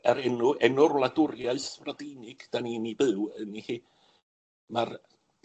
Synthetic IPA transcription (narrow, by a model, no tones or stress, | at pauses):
ɛɾɛnʊʔɛnʊrlˠadʊrjaɨθvradinɨɡ̥d̥aninibɨwənihiː | mar